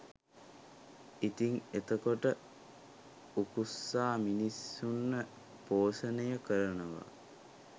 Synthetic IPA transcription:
it̪iŋet̪əkoʈə | ukusːaːminisːunːə | poːsənəjəkəɾənəʋa̰

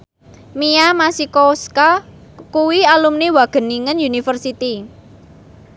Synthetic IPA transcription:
miamasikoska | kuwialumnewaɡ̥ə̤niŋənjunifərsit̪i

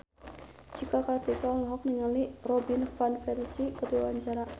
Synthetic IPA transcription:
d͡ʒikakart̪ikalɦɔk̚niŋalirɔbinfanfɛlsikət̪uaaɲt͡ʃaɾa

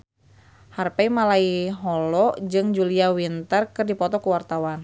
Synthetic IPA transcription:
harpaimalaiɦɔlɔd͡ʒɨŋd͡ʒuliawint̪ərkɨrdipɔt̪ɔkuwart̪awan

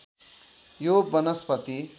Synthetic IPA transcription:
jobʌnʌspʌt̪i

